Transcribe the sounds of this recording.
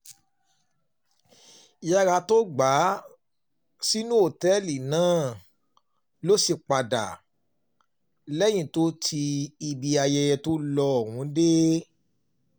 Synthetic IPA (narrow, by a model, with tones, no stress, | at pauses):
ja˦ɾa˧to˦ɡ͡ba˨˦ | si˦nũ˦o˨tɛ˦li˨nãː˦˨ | lo˦si˧˨k͡pa˨da̰˨ | lɛ˦j̃ĩ˦˨to˦tʰi˧i˧bi˧a˧jɛ˧jɛ˧to˦lɔ˧˨wũ˨˦de˦